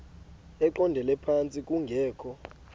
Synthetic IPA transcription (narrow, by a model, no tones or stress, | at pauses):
ɛǃɔndʱɛlɛpʰant͡sʼikʼuŋɡʱɛːkʰɔ